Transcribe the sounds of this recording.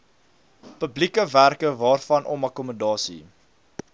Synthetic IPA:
pəblikəværkəvɑːrfɐnʔɔmɐkɔmədɑːsḭ

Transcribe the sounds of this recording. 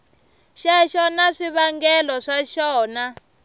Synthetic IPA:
ʃɛʃɔnaʂiβaŋɡɛlɔʂaʃɔːna

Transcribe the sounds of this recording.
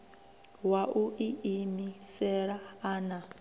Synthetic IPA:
waʔuʔiʔimisɛɺaaːna

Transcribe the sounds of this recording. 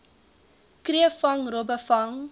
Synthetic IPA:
kriəfɐŋɾɔbəfɐŋ

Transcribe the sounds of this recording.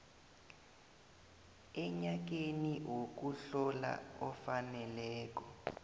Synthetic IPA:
ɛɲak̬eniwok̬uɬɔla̰ɔfanɛlɛːk̬ɔ

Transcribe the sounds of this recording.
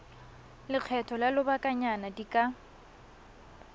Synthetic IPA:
lɪq͡χʰɛtʰɔlalʊbakʼaɲanadikʼa

